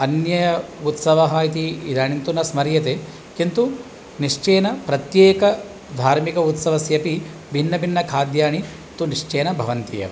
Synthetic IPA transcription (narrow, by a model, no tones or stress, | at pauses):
ɐnjɐjɐut̪sɐʋɐɦɐit̪̬iːd̪ʱaːɳint̪unɐsmɐɾjɐt̪eː | kint̪u | niʂt͡ʃeːnɐpɾɐt̪jeːkɐ | d̪ʱaːɾmikɐut̪sɐʋɐsjɐpi | bʱinːɐbʱinːɐkʰaːd̪jaːɳi | t̪uniʂt͡ʃeːnɐbʱɐʋɐnt̪ijɐ̰ʋ